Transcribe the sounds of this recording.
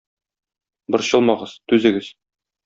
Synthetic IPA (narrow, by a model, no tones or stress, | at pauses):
bɤɾɕɤ̆lˠmɑʁɤz̥t̪ʉzɘ̆ɡɘz̥